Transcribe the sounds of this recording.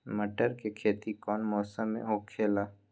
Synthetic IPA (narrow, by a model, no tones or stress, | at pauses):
məʈəɾkekʰeːt̪ikɔːnmɔːsəmːḛ̃ɦokʰːeːlaː